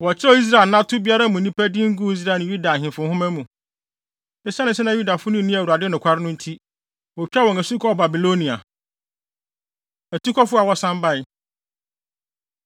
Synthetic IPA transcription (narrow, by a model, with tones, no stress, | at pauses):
wɔ˨t͡ɕʰɪ˦ɔ˦i˦s̬ɾa˨nã˦tʰʊ˦bi˦a˦ɾa˦mũ˨˦ĩ˦pʰæ˦dɪ˦ŋ̩˦ɡu˦i˦s̬ɾa˦˨nʊ̃˨ju˦da˨ɦɪ̃˨fʊ̃˨˦hʊ̃˦mæ̃˦mũ˨ | ɛ˦sɛ˦nɪ̃˨sɛ˦nã˦ju˦da˨fʊ˦nʊ̃˦nĩ˦æ˨wu˨ɾa˨dɪ˦nʊ̃˨kʷʰa˦ɾɪ˦nʊ̃˦n̩˦tʰi˦ | wɔ˨kᶣa˦wɔ˨æ˨su˦kʰɔ˦˨ba˨bi˨lo˦nĩ˨a̰˨ | æ˨tu˦kʰɔ˦fʊ˦a˨wɔ˦sã˦mba˦ɪ˨